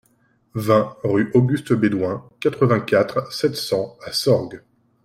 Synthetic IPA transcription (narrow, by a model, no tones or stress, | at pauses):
vɛ̃ʁyʔoɡʲyst̪bed̪wɛ̃kat̪χəvɛ̃kʲat̪χsɛt̪sɑ̃asɔʁɡ